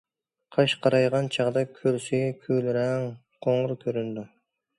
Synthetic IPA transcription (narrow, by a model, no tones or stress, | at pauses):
qʰɑʃqʰɑɾɑjʁɑnt͡ʃʰɑʁd̪ɑkʲʰøɾsikʲʰylɾæŋ | qʰoŋɾkʲʰøɾynd̪ɪ